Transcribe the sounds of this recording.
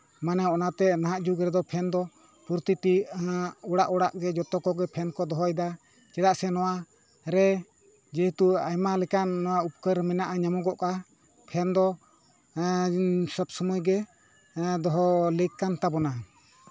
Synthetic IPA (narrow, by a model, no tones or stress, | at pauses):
manɛɔnat̪ɛnaɦaʔd͡ʒuɡɾɛd̪ɔpʰɛnd̪ɔ | puɾt̪it̪i | ɔɽaʔɔɽaʔɡɛd͡ʒɔt̪ɔkɔɡɛpʰɛnkɔd̪ɔɦɔjd̪a | t͡ʃɛɽaʔsɛnɔwa | ɾɛ | d͡ʒɛɦut̪uajmalɛkanːɔwaup̚kəɾmɛnaʔaɲamɔɡɔʔka | pʰɛnd̪ɔ | sɔbsɔmujɡɛ | d̪ɔɦɔlɛkːant̪abɔna